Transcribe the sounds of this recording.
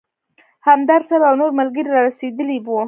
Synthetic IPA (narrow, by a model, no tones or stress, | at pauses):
hamd̪ɑɾsaɾaawnoɾmalɡəɾiɾɑɾased̪əliwu